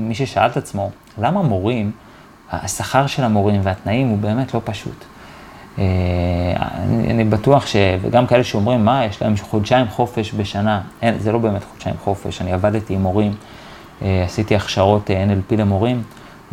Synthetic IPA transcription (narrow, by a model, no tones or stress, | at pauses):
miʃe̞ʃaaltat͡smo̞ | lamamo̞ʁim | a̰saχaʁʃe̞lamo̞ʁimveatnaimhubeːme̞tlo̞paʃṵt | ea̰nḭa̰nibatuaχʃe̞vḛɡamkae̞leʃeo̞mʁimːajeʃla̰e̞mχodʃaimχo̞fe̞ʃbe̞ʃanaenzelo̞be̞eme̞tχod̥ʃaimχo̞fe̞̰ʃaniavaditiːmo̞ʁim | easitiaχʃaʁo̞teenelpile̞mo̞ʁim